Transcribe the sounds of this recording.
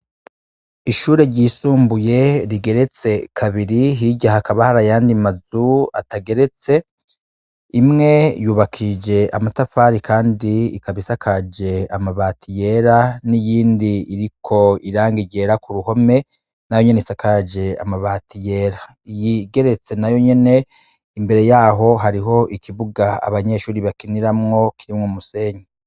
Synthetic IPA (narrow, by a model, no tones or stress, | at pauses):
iʃuːɾeɾɟiːsuːmbuje̞ɾiɡe̞ɾe̞t͡se̞kʰaβiɾiɦiɟahakaβahaɾajaːndimazua̰taɡe̞ɾe̞t͡se̞ | imŋe̞juːβakʰid͡ʒe̞ʔamatafaːɾikʰaːndiikaβisakʰad͡ʒe̞amaβaːtije̞ɾanijiːndiiɾikʰo̞iɾaːŋɡiɟe̞ɾakuɾuho̞me̞ | najo̞ɲe̞neisakad͡ʒe̞a̰maβaːtijeːɾa | jiɡe̞ɾe̞t͡se̞najo̞ɲe̞ne̞ | imbe̞ɾe̞jaːɦo̞ɦaɾiɦo̞ʔikʰiβuɡaa̰βaɲe̞ʃuːɾiβakiniɾamŋo̞kiɾimŋomuse̞ːɲe